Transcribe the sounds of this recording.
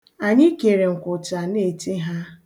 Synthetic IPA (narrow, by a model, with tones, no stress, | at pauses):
a˨ɲɪ˦ke˨ɾe˨ŋ̩˨kʊ˨ta˨ne˦˨ti˦ɦa˦